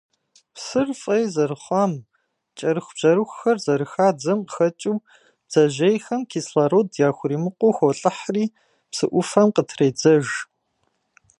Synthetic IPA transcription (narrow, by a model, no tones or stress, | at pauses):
psɨrfʼɐjzɐrɨχʷɑːm | t͡ʃʼɐɾɨxʷb̥ʒ̥ɐɾɨxʷxɐrzɐɾɨxaːd͡zɐmxɐt͡ʃʼiw | b̥z̥ɐʒejxɐmkʰiːsɬaɾowdjaːxʷʊriːmɨqʷoːxʷɔɬʼɨħriː | psɨʔʷʊfɐmqətʰrejd͡zɐʒ